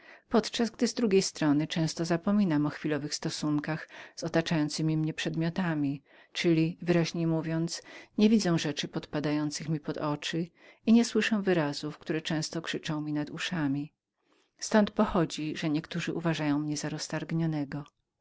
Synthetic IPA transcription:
pɔt̪t͡ʂazɡd̪ɘzd̪ɾuɡʲejst̪ɾɔnɘt͡ʂɛ̃w̃st̪ɔzapɔmʲinamɔxfʲilɔvɘxst̪ɔsuŋkaxz̥ɔt̪at͡ʂajɔnt̪sɘmʲimɲɛpʂɛd̪mʲjɔt̪amʲi | t͡ʂɘlʲivɘɾaʑɲejmuvʲjɔnt̪sɲɛvʲid̪zɛ̃ʐɛt͡ʂɘpɔt̪pad̪ajɔnt̪sɘxmʲipɔd̪ɔt͡ʂɘ | iɲɛswɘʂɛ̃w̃vɘɾazufk̚t̪uɾɛt͡ʂɛ̃w̃st̪ɔkʂɘt͡ʂɔ̃w̃mʲinad̪uʂamʲi | st̪ɔnt̪pɔxɔd͡ʑiʐɛɲɛkt̪uʐɘʔuvaʐajɔ̃w̃mɲɛzaɾɔst̪aɾɡɲɔnɛɡɔ

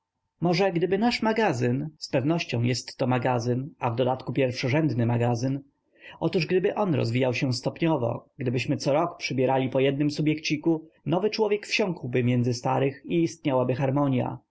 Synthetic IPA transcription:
mɔʐɛɡd̪ɘbɘnaʂmaɡazɘnspɛvnɔɕt͡ɕɔ̃w̃jɛst̪ːɔmaɡazɘnavd̪ɔd̪at̪kupʲjɛɾfʂɔʐɛnd̪nɘmaɡazɘn | ʔɔt̪uʐɡd̪ɘbɘʔɔnɾɔ̰zvʲijawɕɛw̃st̪ɔpɲɔvɔ̰ɡ̥d̪ɘbɘɕmɘt̪sɔɾɔkpʂɘbʲjɛɾalʲipɔjɛd̪nɘmsubʲjɛkt͡ɕikunɔvɘt͡ʂwɔvʲjɛkfɕɔ̃ŋkwbɘmʲjɛnd̪zɘst̪aɾɘxiːst̪ɲawabɘxaɾmɔɲja̰

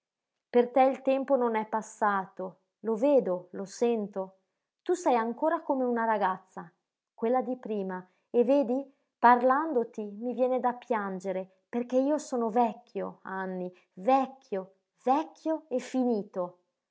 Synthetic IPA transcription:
pert̪ɛilt̪ɛmpononɛpːasːaːt̪o | loveːd̪olosɛnt̪o | t̪usɛjaŋkoːɾakomeunaɾaɡat̪sːa | kwelːad̪ipɾiːma | eveːd̪i | parland̪ot̪imivjɛːned̪apːjand͡ʒeɾe | perk̟eiːosoːnovɛkʲːjo̰anːi | vɛkʰːjo | vɛkʰʲːjoefːiniːt̪o

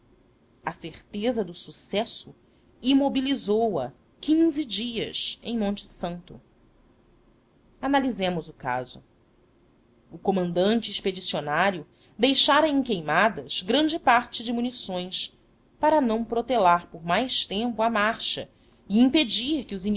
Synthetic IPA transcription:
ɐseɾt̪ezɐd̪ʊsusɛsʊ | imobilizowɐ̰ | kĩzid͡ʒiɐ̰sḛ̃j̃mõnt͡ʃɪ̥sɐ̃nt̪ʊ̰ | analizẽmʊzʊka̰zʊ | ʊkomɐ̃nd̪ɐ̃nt͡ʃɪeʃped͡ʒisionaɾjʊ | d̪ejʃaɾɐẽj̃kejmad̪ɐz̥ɡɾɐ̃nd͡ʒɪpaɾt͡ʃɪd͡ʒɪmunisõj̃s | paɾɐnɐ̃w̃pɾot̪elaɾpoɾmajʃt̪ẽmpʊɐmaɾʃɐ̰ | ɪĩped͡ʒiɾkɪʊzin

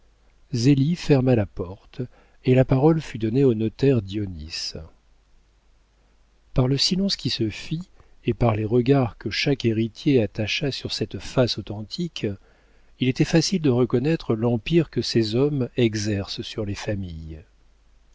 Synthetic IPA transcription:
zelifɛʁmalapɔʁt̪ | elapaʁɔlfyd̪ɔneonɔt̪ɛʁd̪jɔnḭs | paʁləsilɑ̃skʲisəfi | epaʁleʁəɡaʁkəʃakeʁit̪jeat̪aʃasyʁsɛt̪fasot̪ɑ̃t̪ʰikʲʰ | ilet̪ɛfasild̪əʁəkɔnɛt̪χəlɑ̃piʁkəsezɔmɛɡzɛʁssyʁlefamij

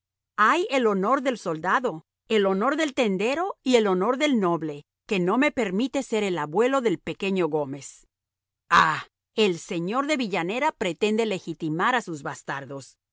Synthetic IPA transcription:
aje̞lo̞no̞ɾðe̞lso̞ld̪aðo̞ | e̞lo̞no̞ɾðe̞lt̪e̞nd̪e̞ɾo̞ie̞lo̞no̞ɾðe̞lno̞βle̞ | ke̞no̞me̞pe̞ɾmit̪e̞se̞ɾelaβwe̞lo̞ðe̞lpe̞ke̞ɲo̞ɣo̞me̞s | a | e̞lse̞ɲo̞ɾðe̞βiʝane̞ɾapɾe̞t̪end̪e̞le̞xit̪imaɾasuzβast̪aɾðo̞s

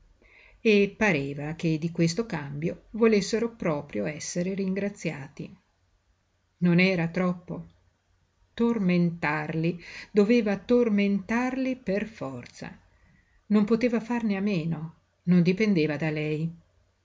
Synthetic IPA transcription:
epːaɾeːvak̟ed̪ːikwest̪okambjovolesːeɾopɾɔːpɾjoɛsːeɾeɾiŋɡɾat̪sːjaːt̪ḭ | nonɛːɾat̪ɾɔpːo | t̪orment̪arlid̪oveːvat̪orment̪arliperfɔrt̪sa̰ | nompot̪eːvafarneamːeːno | nond̪ipend̪eːvad̪alɛj

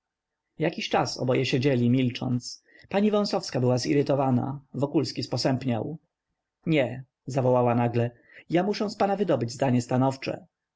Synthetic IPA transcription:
jakʲiɕt͡ʂasɔ̰bɔjɛɕed͡ʑɛlʲimʲilt͡ʂɔ̰nt̪s | paɲivɔ̃w̃sɔfskabɘwazḭɾɘt̪ɔvana̰vɔkulskʲispɔsɛmpɲaw | ɲɛ | zavɔwawanaɡlɛ | jamuʂɛ̃w̃spanavɘd̪ɔbɘd͡ʑzd̪aɲɛst̪anɔft͡ʂɛ̰

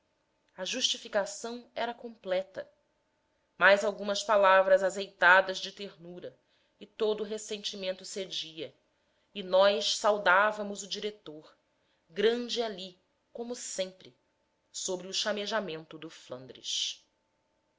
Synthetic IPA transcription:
ɐʒuʃt͡ʃifikasɐ̃w̃ɛɾɐkõmplɛt̪ɐ | majzawɡũmɐspalavɾɐzazejt̪ad̪ɐzd͡ʒɪt̪eɾnuɾɐ | ɪt̪od̪ʊːɦesẽnt͡ʃimẽnt̪ʊsed͡ʒiɐ | ɪinɔjʃsawd̪avɐmʊzʊd͡ʒiɾet̪oɾ | ɡɾɐ̃d͡ʒɪali | kõmʊsẽmpɾɪ | sobɾɪʊʃameʒamẽnt̪ʊd̪ʊflɐ̰̃nd̪ɾɪ̰ʃ

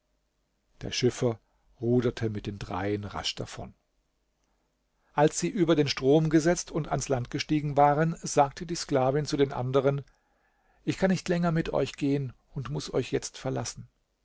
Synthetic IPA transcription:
d̥ḛːɐʃɪfɐ | ʁuːdɐtʰəmɪt̚d̥eːndʁa̰ɪənʁa̰ʃd̥a̰fɔ̰n | ʔalsz̥iːʔyːbɐdeːnʃtʁ̥oːmɡəzɛt͡stʰʊnta̰nslant̚ɡ̥əʃtiːɡŋ̩vaːʁənzaːk̚tʰədiːsklaːvɪnt͡sudeːnʔa̰ndəʁ̞ən | ʔɪçkʰanːɪçtlɛŋɐmɪtʔɔ̰ʏçɡ̥eːən | ʊntmʊsʔɔ̰ʏçjɛt͡stfɛɐlasn̩

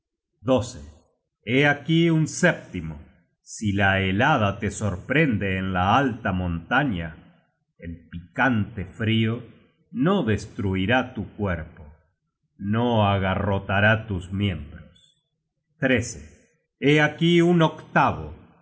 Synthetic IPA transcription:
d̪o̞sḛ | eakiunsep̚t̪imo | silaelað̞at̪eso̞ɾpɾend̪eːnlaalt̪amõnt̪aɲa | elpikant̪efɾio | no̞ðest̪ɾuiɾat̪ukweɾpo | noaɣarot̪aɾat̪usmje̞mbɾos | t̪ɾesḛ | eakiunokt̪aβo̰

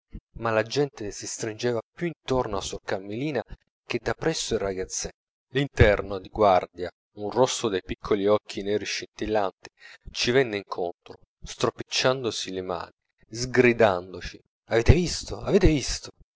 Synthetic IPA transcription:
malad͡ʒɛnt̪esist̪ɾind͡ʒɛːvapjuint̪ornoasokamːeliːna | k̟ed̪ːapːɾɛsːoiraɡat̪sːɛ | lint̪ɛrnod̪iɡward̪ja | unrosːod̪ejpikʰːoliɔkʰːinɛːɾiʃint̪ilːant̪i̥t͡ʃivɛnːeiŋkʰont̪ɾo | st̪ɾopit͡ʃːand̪osilema̰ːni | zɡɾid̪and̪ot͡ʃi | aveːt̪evist̪oaveːt̪evist̪o

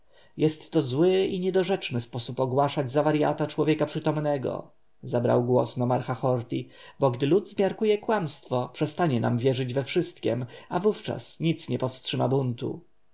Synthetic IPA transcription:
jɛst̪ːɔzwɘiɲɛd̪ɔʐɛt͡ʂnɘspɔsupɔɡwaʂad͡ʑzavaɾja̰t̪at͡ʂwɔvʲjɛkapʂɘt̪ɔmnɛɡɔ̰ | zabɾa̰wɡwɔsnɔmaɾxaxɔɾt̪ʲi | bɔɡd̪ɘlud̪zmʲjaɾkujɛkwamst̪fɔpʂɛst̪aɲɛna̰mvʲjɛʐɘd͡ʑvɛfʂɘst̪kʲɛ̰mavuft͡ʂa̰sɲit̪sɲɛpɔfstʂɘmabunt̪ṵ

